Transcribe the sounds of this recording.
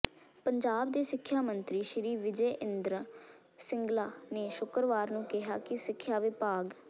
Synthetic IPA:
pəɲd͡ʒaːb̚d̪eːsɪkʰːjaːmənt̪ɾiːʃəɾiːʋɪd͡ʒeːʔɪnd̪ɾ | sɪŋɡlaːneːʃʊkɾʋaːɾnũːkɪɦaːkɪsɪkʰːjaːʋɪpaːɡ

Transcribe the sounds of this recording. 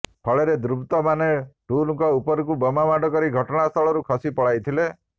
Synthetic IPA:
pʰɔɭeɾed̪ɾubt̪ɔmaneʈulukɔupɔɾɔkubɔmamaɖɔkɔɾiɡʱɔʈɔɽ̃ast̪ʰɔɭɔɾukʰɔsipɔɭajt̪ʰile

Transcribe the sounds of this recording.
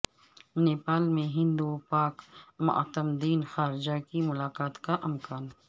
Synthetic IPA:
neːpaːlmẽɦɪ̃nd̪upaːkmʊ̰ʔa̰t̪əmd̪iːnxaːɾɪd͡ʒakimʊlaːqaːt̪kaʔɐmkaːn

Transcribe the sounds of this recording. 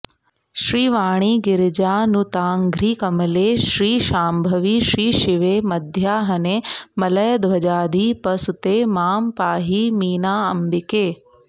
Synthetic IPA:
ʃɾiːʋaːɽ̃iːɡɪɾd͡ʒaːnut̪aːŋɡʱɾiːkɐmɐleːʃɾiːʃaːmbʱɐʋiːʃɾiːʃiʋeːmɐd̪ʱjaːɦɐneːmɐlɐjɐd̪ʋɐd͡ʒaːd̪ʱiːpɐsut̪eːmaːmpaːɦiːmiːnaːɐmbikeː

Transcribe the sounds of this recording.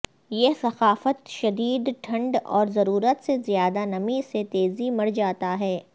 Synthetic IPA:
jeːsɐxaːfət̪ʃɐd̪iːd̪ʈʰɐ̃ɳɖɔ̰ːɾzɐɾuːɾət̪sezjaːd̪anɐmiset̪eːzimɐɽd͡ʒaːt̪aɦɛː

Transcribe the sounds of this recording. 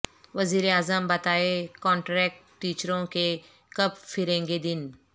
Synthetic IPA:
ʋɐziːɾeaːzəmbɐt̪aːekɔ̃ːɳʈɾɛːk̚ʈːiːt͡ʃɾõke | kɐbfɪɾẽːŋɡed̪ɪn

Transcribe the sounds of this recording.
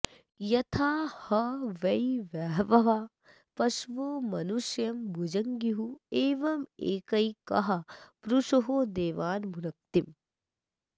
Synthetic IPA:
jɐt̪ʰaːhɐʋɐjʋaːɦʋɐʋa | pɐʃʋoːmɐnuʃjɐmbʱud͡ʒɐŋɡiɦueːʋɐmeːkɐjkɐ̰ɦɐpɾuʂoɦoːd̪eːʋaːnmʱuɾɐk̚t̪im

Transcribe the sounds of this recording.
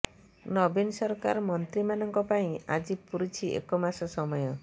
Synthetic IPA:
nɔbinsɔɾkaɾɔmɔnt̪ɾimanɔŋkɔpaĩa̰d͡ʒipuɾit͡ʃʰiḛkɔmasɔsɔmɔjɔ

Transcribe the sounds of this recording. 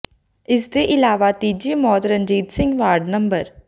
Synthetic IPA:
ɪsd̪eːʔɪlaːʋat̪iːd͡ʒiːmɔːt̪ɾənd͡ʒiːt̪sɪ̃ŋɡʋaːɾɖnəmbəɾ

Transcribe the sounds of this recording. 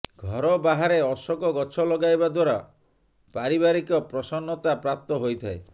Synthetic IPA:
ɡʱɔɾɔbaɦaɾeɔsɔkɔɡɔt͡ʃʰɔlɔɡajbad̪waɾa | paɾibaɾikɔpɾɔsɔnːɔt̪apɾap̚t̪ɔɦojt̪ʰae

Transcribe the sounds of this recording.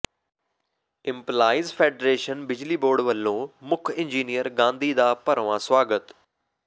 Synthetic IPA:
ɪmplaːiːzpʰeːɖɾeːʃənbɪd͡ʒliːboːɖʋəlːõːmʊkʰɪ̃nd͡ʒiːnijəɾɡãːnd̪iːd̪aːpəɾʋãːswaːɡət̪

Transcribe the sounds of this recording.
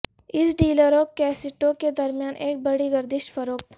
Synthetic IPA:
ɪsɖiːləɾokɛːsɪʈõked̪ɐɾmjaːnʔeːk̚bɐɽiɡɐɾd̪ɪʃʈfɐɾoːk̚t̪

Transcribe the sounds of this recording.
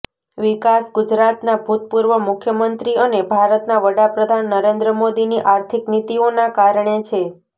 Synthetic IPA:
ʋikasɡud͡ʒɾat̪nabʱut̪̚puɾʋəmʊkʰjəmənt̪ɾiənebʱaɾət̪naʋəɽapɾəd̪ʱanːəɾend̪ɾəmod̪iniʔaɾt̪ʰiknit̪ionakaɾɳ̃et͡ʃʰe

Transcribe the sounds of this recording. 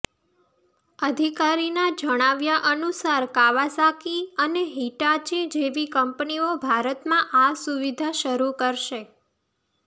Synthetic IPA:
əd̪ʱikaɾinad͡ʒəɽ̃aʋjaʔənusaɾkaʋasakiəneɦiʈat͡ʃid͡ʒeʋikəmpniobʱaɾət̪mãʔasuʋid̪ʱaʃəɾukəɾʃe

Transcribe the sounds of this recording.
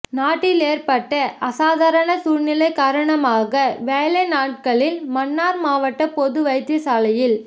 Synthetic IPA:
naːʈːɪleːɾpɐʈːɐʔɐsaːðaːɾɐɳɐsuːɻnɪlɐɪkaːɾɐɳɐmaːɣɐʋeːlɐɪnaːʈ̚kɐɭɪlmɐnːaːɾmaːʋɐʈːɐpɔðɯʋɐɪt̪ːɐsaːlɐjɪl

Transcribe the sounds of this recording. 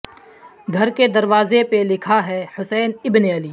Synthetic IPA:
ɡʱɐɾked̪ɐɾʋaːzepelɪkʰaɦɛhʊsɛːnɪbneɐliː

